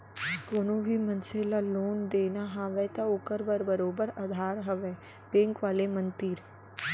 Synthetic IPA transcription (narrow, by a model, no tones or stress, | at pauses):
koːnõbʱimənselaloːnd̪eːnaɦãːʋɛt̪aʊkəɾbəɾbəɾoːbəɾad̪ʱaːɾɦɐʋɛ | bẽːŋkʋaːlemə̃nt̪iːɾ